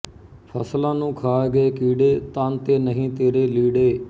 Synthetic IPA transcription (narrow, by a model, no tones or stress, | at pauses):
pʰəslãːnũːkʰaːɡəeːkiːɖeːt̪ãːnt̪eːnəɦĩːt̪eːɾeːliːɽeː